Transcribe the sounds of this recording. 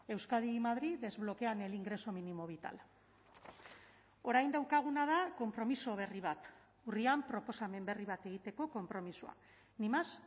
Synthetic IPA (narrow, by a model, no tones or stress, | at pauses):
e̞wskaðimaðɾiðe̞zβlo̞ke̞ane̞liŋɡɾe̞so̞minimo̞β̞it̪a̰l | o̞ɾajnd̪awkaɣ̞unað̞ako̞mpɾo̞miso̞β̞e̞riβ̞at̪ | uriampɾo̞po̞same̞mbe̞riβ̞at̪e̞ɣ̞it̪e̞ko̞ko̞mpɾo̞misua̰ | nimas